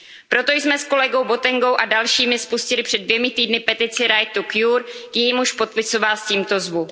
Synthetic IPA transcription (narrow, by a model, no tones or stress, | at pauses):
pɾo̞t̪o̞jsmɛsko̞lɛɡo̞wbo̞t̪ɛŋɡo̞wʔadalʃiːmɪspuscɪlɪpr̥ɛdvjɛmɪt̪iːdnɪpɛt̪ɪt͡sɪɾajt̪ukjuɾkjɛjimuʃpot̪̚pɪsovasciːmt̪o̞zvu